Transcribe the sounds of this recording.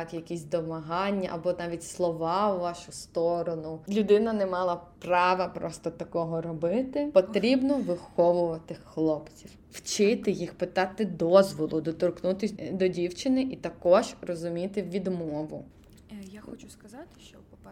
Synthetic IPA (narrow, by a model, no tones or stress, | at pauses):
kjɐkʲisʲd̪ɔmɐɦɑnʲːɐʔɐbɔnɑʋʲitʲslˠɔʋɑwʋɑʃʊst̪ɔɾɔnʊlʲʊd̪ɪnɐnɛmɑlˠɐprɑʋɐpɾɔst̪ɔt̪ɐkɔɦɔɾɔbɪt̪ɪpɔt̪ɾʲibnɔʋɪxɔʋʊʋɐt̪ɪxxlˠɔpt͡sʲiw | wt͡ʃɪt̪ɪjixpɪt̪ɑt̪ɪd̪ɔzʋɔlˠʊd̪ɔt̪ɔrknut̪ɪsʲd̪ɔdʲiwt͡ʃɪnɪʔit̪ɐkɔʒrɔzʊmʲit̪ɪʋʲid̪mɔʋʊ | jaxɔt͡ʃʊskɐzɑt̪ɪ̥ʃt͡ʃɔ